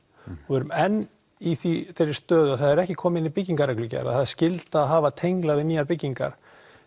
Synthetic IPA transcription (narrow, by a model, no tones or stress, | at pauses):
ɛɾʏmɛnː | iθiθeɾːɪɾ̥st̪œːðʏaθaðɛɾɛhcɪkʰɔːmɪɪnipɪciŋkaɾɛklʏcɛ̰ɾa̰ðθaðɪɾ̥scɪlt̪aːðɦaːvat̪ʰejŋklavɪðmiːaɾpɪciŋka̰ɾ̥